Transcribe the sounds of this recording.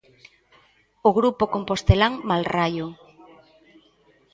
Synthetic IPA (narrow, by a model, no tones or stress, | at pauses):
oɣɾupokompost̪elaŋmalrajʊ